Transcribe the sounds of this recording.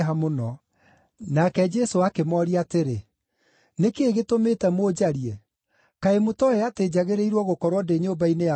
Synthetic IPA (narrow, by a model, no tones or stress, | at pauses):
ɦamonɔ | nakɛd͡ʒɛsoakemɔɾiateɾe | nekeːɣetometɛmoːd͡ʑaɾiɛ | kaemotɔɛated͡ʑaɣeɾeiɾwɔɣokɔɾwɔdeɲobaineja